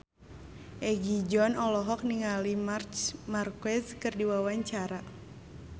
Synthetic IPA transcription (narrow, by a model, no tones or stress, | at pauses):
ʔɛɡid͡ʒɔnɔlɔɦɔk̚niŋalimart͡ʃmarkɛskɨrdiwawaɲt͡ʃaɾa